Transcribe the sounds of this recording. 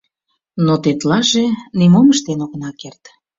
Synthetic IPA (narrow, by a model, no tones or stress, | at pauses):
not̪et̪lɑʒenimoməʃt̪enoɣə̆nɑkert̪